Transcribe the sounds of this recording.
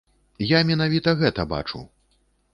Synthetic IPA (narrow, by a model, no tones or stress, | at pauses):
jamʲɛn̪avʲit̪ɐɣɛt̪ɐba̰t͡ʂṵ